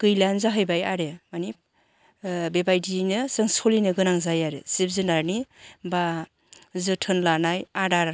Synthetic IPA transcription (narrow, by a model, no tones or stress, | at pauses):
kɯjlanzaɦɯjbajaɾemanip̚ | bebajdinɯsɯŋsolinɯɡɯnaŋzajaɾesip̚zɯnaɾniba | zɯtʰɯnlanajadaɾ